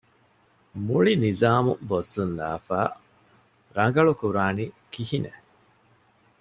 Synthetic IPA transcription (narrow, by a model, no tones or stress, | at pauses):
muɭinizaːmubosːund̪a̰ːfaː | ɾɐŋ̆ɡɐɭukuɾaːni | kihine